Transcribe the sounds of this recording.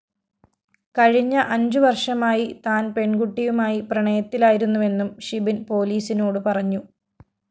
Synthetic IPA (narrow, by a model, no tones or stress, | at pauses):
kɐɻiɲːɐʔɐɲd͡ʑuʋɐrʂɐmaːjit̪aːnpe̞ɳɡuʈːijumaːjiprɐɳɐjɐt̪ːilaːjiɾunːuʋe̞nːumɕibinpo̞ːliːsino̞ːɽɨpɐrɐɲːu